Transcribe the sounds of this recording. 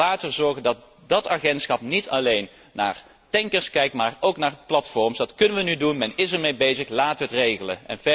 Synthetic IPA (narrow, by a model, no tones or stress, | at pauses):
aːtərzɔɹɣəndɑt̚ | dɑtaχɛntsχɑp̚nitʰɑ̰lejnː | a̰ːr | tɛŋkəɹskɛjk̚tmaːrowknaːrplɑtfɔɹmsdɑtkɵnənʋənydunmɛnɪsəɹmejbejzəxlaːtəʋəɦətrejɣələ̰nɛ̰nvɛ